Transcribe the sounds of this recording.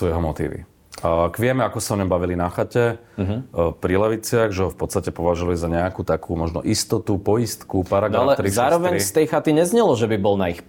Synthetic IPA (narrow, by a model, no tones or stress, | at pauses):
sujɛɦɔmɔt̪ḭːʋḭ | kʋɪɛmɛakɔsaɔɲɔmbaʋilinaxacɛ | ɦ̩pɾilɛʋit͡sɪaɣʒɛɦɔfpɔt̪st̪acɛpɔʋaʒuʋalizaɲɛakuːt̪akʰuːmɔʒnɔ̰ʔist̪ɔt̪upɔist̪kupaɾaɡnalɛt̪ɾiszaːɾɔʋɛɲist̪ɛjxat̪iɲɛzɲɛlɔʒɛbibɔlnaix